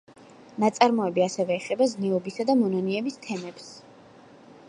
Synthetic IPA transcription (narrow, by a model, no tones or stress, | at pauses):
nat̪sʼaɾmɔɛbiasɛvɛːχɛbaznɛɔbisad̪amɔnɔniɛbist̪ʰɛmɛps